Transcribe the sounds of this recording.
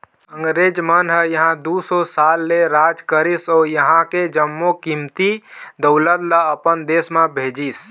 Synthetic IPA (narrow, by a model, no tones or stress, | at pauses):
əŋɡɾed͡ʒmənɦəjəɦãd̪usosalːeɾad͡ʒkəɾisɔjəɦãked͡ʒəmːokimt̪id̪əʊlət̪ləəpənd̪esmebʱed͡ʒis